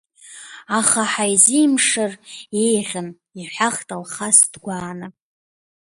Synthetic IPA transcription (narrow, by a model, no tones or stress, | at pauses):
aχaħajzimʂɨrejʁʲən | iħʷaχtʼalχasdɡʷaːnɨ